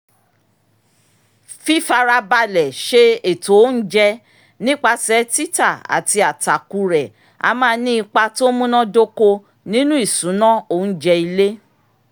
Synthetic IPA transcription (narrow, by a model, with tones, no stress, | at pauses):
fi˦fa˧ɾa˧ba˧lɛ˨ʃe˦e˨to˨˦n̩˦d͡ʒɛ˧ | nĩ˦k͡pa˧sɛ˨˦ti˦ta˦˨a̰˨ti˧a˨ta˨ku˧ɾɛ˨ | a̰˧mãː˦˧nĩ˦i˧k͡pa˧to˦mũ˦nã˦do˦ko˧ | nĩ˦nũ˦i˦˨sũ˨˦nã˦o˦˨n̩˦d͡ʒɛ˧i˧le˦